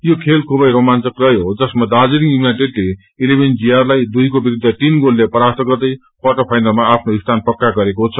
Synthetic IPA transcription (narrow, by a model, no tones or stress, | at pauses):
jokʰelkʰubʌjɾomant͡sʌkrʌjɦod͡zʌsmad̪ad͡ziɾiŋjuminajʈeʈle | ilebʱend͡zijarlajd̪ujkobiɾud̪ʱːʌt̪inɡolːepʌɾat̪ʰʌɡʌrd̪ʌj | pʰʌʈʌpʰajnʌlmaːpʰnoist̪ʰanpʌkːaɡʌɾekot͡sʰʌ